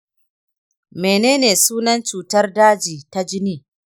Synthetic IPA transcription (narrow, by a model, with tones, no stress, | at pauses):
meː˨neː˦neː˨suː˦nɐ˦nt͡ʃuː˨tɐ˦rdaː˦d͡ʒiː˨ta˦d͡ʒɪ˦niː˦